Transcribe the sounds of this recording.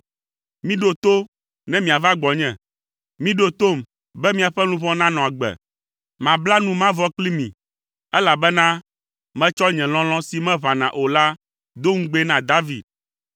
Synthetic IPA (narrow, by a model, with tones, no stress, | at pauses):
mĩ˦ɖo˦t̪o˦ | nɛ̃˦mĩ˨a˨va˦ɡ͡bɔ˨ɲɛ̃˨ | mĩ˦ɖo˦t̪o˦˨m | bɛ˦mĩ˦a˨ɸɛ˦nũ˦βɔ̃˦nã˦nɔ̃˨a˨ɡ͡bɛ̰˨ | mã˨bla˦nũ˦mã˦vɔ˦kli˦mḭ̃˨ | ɛ˦la˨bɛ˦nã˦ | mɛ̃˦t͡ʃɔ˦ɲɛ̃˨lɔ̃˦lɔ̃˦si˨mɛ̃˦βã˨nã˨ʔo˨la˦ | d̪o˦ŋ̩̃˦ɡ͡be˦nã˨d̪a˦vi˨d̪̚